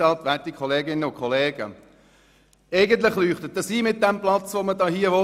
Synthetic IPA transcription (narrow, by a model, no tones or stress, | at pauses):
ɑltʋætikʰχɔleːɡɪnːəʊnkʰɔleːɡə̰ | eɪɡənt̪lɪχlyːχt̪ət̚dəsiːmɪt̚d̥ɛmplɑt͡sʋomədɑːhiəʋɔ